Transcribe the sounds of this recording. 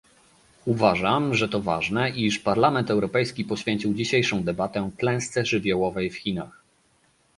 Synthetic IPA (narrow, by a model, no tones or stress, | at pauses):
uvaʐamʐɛt̪ɔva̰ʐnɛʔiʂpaɾlamɛnt̪ɛwɾɔpɛjskʲipɔɕfʲjeɲt͡ɕiwd͡ʑiɕejʂɔ̃w̃d̪ɛbat̪ɛklɛ̃w̃st̪sɛʐɘvʲjɔwɔvɛjfxʲinax